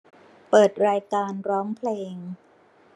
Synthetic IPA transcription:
pɤː˨˩t̪̚ɾaː˧jkaː˧nɾɔː˦˥ŋpʰleː˧ŋ

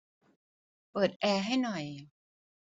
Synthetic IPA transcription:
pɤː˨˩t̪̚ʔɛː˧ɦa˥˩jnɔ˨˩j

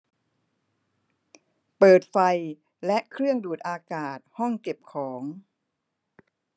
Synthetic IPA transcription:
pɤː˨˩t̪̚fa˧j | lɛ˦˥ʔkʰɾɯ˥˩əŋduː˨˩t̪̚ʔaː˧kaː˨˩t̪̚hɔ˥˩ŋke˨˩p̚kʰɔː˩˦ŋ

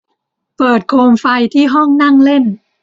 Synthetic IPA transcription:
pɤː˨˩t̪̚kʰoː˧mfa˧jt̪ʰiː˥˩ɦɔ˥˩ŋna˥˩ŋle˥˩n

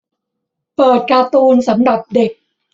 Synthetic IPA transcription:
pɤː˨˩t̪̚kaː˧t̪uː˧nsa˩˦mda˨˩p̚de˨˩k̚

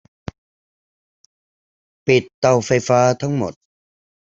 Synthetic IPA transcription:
pi˨˩t̪ːa˧wfa˧jfaː˦˥t̪ʰa˦˥ŋmo̰˨˩t̪̚

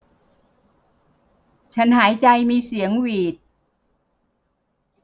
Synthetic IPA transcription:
t͡ɕʰa˦˥nhaː˩˦jt͡ɕa˧jmiː˧si˩˦əŋwiː˨˩t̪̚

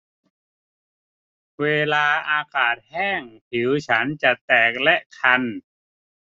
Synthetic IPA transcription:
weː˧laː˧ʔaː˧kaː˨˩t̪̚hɛː˥˩ŋpʰi˨˩˦wt͡ɕʰa˦˥nt͡ɕa˨˩ʔt̪ɛː˨˩k̚lɛ˦˥ʔkʰa˧n

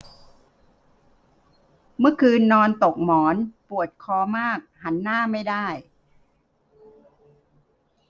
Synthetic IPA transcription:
mɯ˥˩əkʰɯː˧nːɔː˧nt̪o˨˩k̚mɔː˩˦npu˨˩ət̪̚kʰɔː˧˦maː˥˩k̚ha˩˦nːaː˥˩ma˥˩jdaː˥˩j

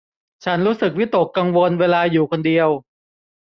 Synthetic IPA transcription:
t͡ɕʰa˦˥nɾuː˦˥sɯ˨˩k̚wi˦˥t̪o˨˩kːa˧ŋwo˧nweː˧laː˧juː˨˩kʰo˧ndi˧əw

